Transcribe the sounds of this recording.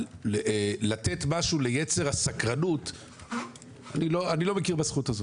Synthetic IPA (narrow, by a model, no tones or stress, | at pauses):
lat̪e̞tmaʃule̞jet͡se̞ʁasakʁanut | aniloanilo̞mekiʁbasχutazo